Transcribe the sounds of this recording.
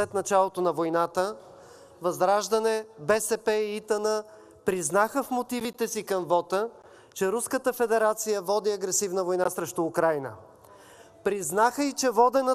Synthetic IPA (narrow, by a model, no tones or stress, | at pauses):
ɛt̪nɐt͡ʃalˠot̪onɐvojnat̪ə | vɐzdɾaʒd̪ənɛbɛsɛpɛiit̪ənə | pɾiznaxəfmot̪ivit̪ɛsikɐmvɔt̪ə | t͡ʃɛɾuskət̪əfɛd̪ɛɾat̪sijəvɔd̪iɐɡɾɛsivnəvojnasɾɛʃt̪ʊːkɾajnə̰ | pɾiznaxəit͡ʃɛvɔd̪ɛnə